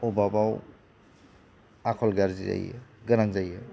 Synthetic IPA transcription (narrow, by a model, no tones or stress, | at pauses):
obabaw | akʰɔlɡaɾziza̰jḛɡɐɾaŋzaje